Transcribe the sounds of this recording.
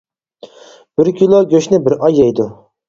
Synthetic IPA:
b̥ɪɾkʲʰilˠoɡʲøʃnɪbɪɾʔɑjːɛjd̪ʊ

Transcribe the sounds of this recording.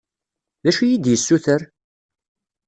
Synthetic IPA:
ðæʃujid̪jəsːuθəɾ

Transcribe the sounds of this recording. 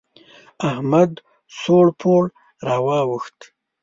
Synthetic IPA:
ahmad̪ | soɽpʰoɽ | ɾɑːwɑwəxt̪

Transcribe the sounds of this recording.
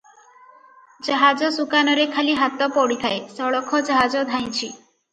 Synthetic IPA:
d͡ʒɔɦad͡ʒɔsukanɔɾekʰaliɦat̪ɔpɔɽit̪ʰaesɔɭɔkʰɔd͡ʒɔɦad͡ʒɔd̪ʱaj̃t͡ʃʰi

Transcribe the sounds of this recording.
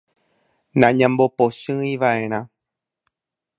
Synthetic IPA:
nãɲãmbopoʃɨ̃ĩʋaʔẽ̞ɾ̃ã

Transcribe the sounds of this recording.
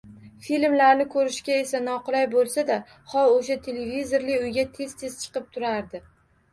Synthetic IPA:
filmlaɾnɪkʰɵɾɪʃkʲae̞san̪ɒqʊlˠajbolˠsad̪a | χɒloʃat̪ʰe̞levizo̞ɾlɪʊjɡʲat̪ʰe̞z̥t̪ʰe̞z̥t͡ʃʰɨ̥qɨp̚t̪ʰʊɾaɾd̪ɪ

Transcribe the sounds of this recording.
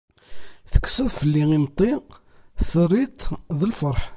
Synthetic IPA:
θə̥kːsæðfəlːiŋimt̪ˤi | θəɾˤit̪ðəlfəɾˤħ

